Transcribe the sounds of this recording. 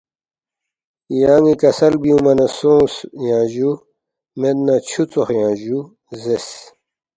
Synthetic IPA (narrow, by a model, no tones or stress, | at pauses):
jaːŋikɐsɐlbiũmɐnɐsõːsjãːʑu | med̪nat͡ɕʰut͡soxjãːʑu | zes